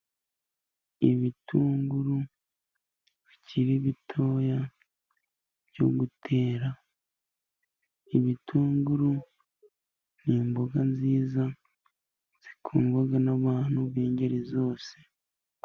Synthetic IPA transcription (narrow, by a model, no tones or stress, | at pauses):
iβituːŋɡuɾu | βiciɾiβitʰo̞ːja | bjo̞ɡutʰe̞ːɾa | iβitʰuːŋɡuɾu | n̥iːmboɡanziːza | z̥ikʰuːŋɡwaɡanaβaːn̥huβiːɲɟeɾizo̞ːse̥